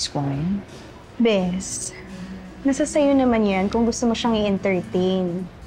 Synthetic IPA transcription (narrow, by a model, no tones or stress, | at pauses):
skwajn | bɛs | nɐsasɐjonɐmanjankʊŋɡʊst̪omoʃaŋɪʔɛnt̪ɛɹt̪ejn